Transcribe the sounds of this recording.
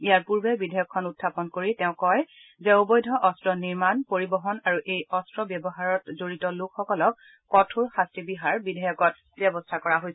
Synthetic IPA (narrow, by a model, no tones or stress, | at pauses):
ijaɹpuɹbɛbidʱajɔkʰːɔnutʰːapɔnkoɹitɛʊ̃kɔj | zɛobɔjdʱɔʔɔstɹɔniɹmanpoɹibɔɦɔnaɹuʔejɔstɹɔbjɛbɔɦaɹɔtzoɹitɔlʊkxɔkɔlɔkː | ɔtʰuɹxastɹibiɦaɹbidʱajɔkɔt | bjɛbɔstʰakɔɹaɦojs